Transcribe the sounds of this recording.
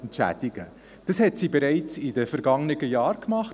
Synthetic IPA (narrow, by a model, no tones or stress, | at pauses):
ntʃæ̰d̥iɡ̥ə | d̥ɑshɛtsibɛɾɛɪt͡sidəfəɾɡ̥ɑŋnɪɡəjɑːɾkmɑχt